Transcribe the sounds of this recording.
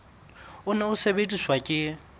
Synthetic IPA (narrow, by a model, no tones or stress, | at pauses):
ʊnaʊsebetʼiswakʼɪ